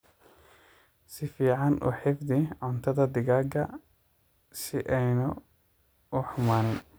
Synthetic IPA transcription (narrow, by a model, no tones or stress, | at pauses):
sɪfiːʕɑnʔʊ̰ːħɪfdɪʕʊnt̪ʰɐðɐd̪ɪɣaːɡɐ | sɪʔɛjnʊ | ʊħʊmaːnɛj